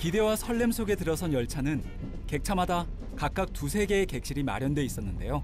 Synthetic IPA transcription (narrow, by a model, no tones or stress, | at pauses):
pideowasʰʌɭːe̞msʰoɡe̞tɯɾʌsʰʌnjʌɭt͡ɕʰanɯn | ke̞k̚t͡ɕʰamada | kak̚k͈ak̚tusʰe̞ɡe̞ːke̞k̚ɕ͈iɾima̰ɾjʌndwe̞is͈ʌnːɯnde̞jo